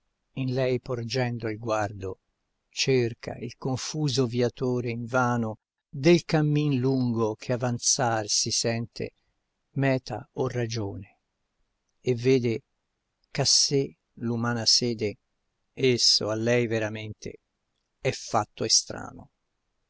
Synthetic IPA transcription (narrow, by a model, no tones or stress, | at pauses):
inlɛjpord͡ʒɛnd̪oilɡward̪o | t͡ʃerkʰa̰ilkoɱfuːzoviat̪oːɾeiɱvaːno | d̪elkamːinluŋɡok̟ʰeavant̪sarsisɛnt̪ʰḛ | mɛːt̪ʰa̰orad͡ʒoːne | evːeːd̪e | kase | lumaːnasɛːd̪e | esːoalːɛjveɾament̪ʰḛ | ɛfːat̪ːoest̪ɾa̰ːno̰